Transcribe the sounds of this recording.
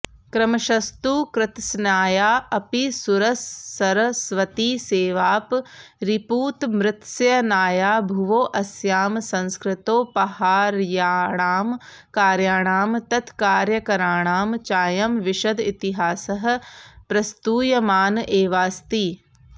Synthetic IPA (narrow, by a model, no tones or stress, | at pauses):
kɾɐmɐʃɐst̪uːkɾɪt̪snaːjaːʔɐpisuɾɐsːɐɾɐsʋɐt̪iːseːʋaːpɾipuːt̪mɾɪt̪sjɐnaːjaːbʱuʋoːʔɐsjaːmsɐ̃nskɾɪt̪oːpɐhaːɾjaːɳaːm | kaːɾjaːɳaːmt̪ɐt̪ʰkaːɾjɐkɐɾaːɳaːmt͡ʃaːjɐmʋɪʃɐd̪it̪iɦaːsɐɦ̆pɾɐst̪uːjɐmaːnʔeːʋaːst̪iː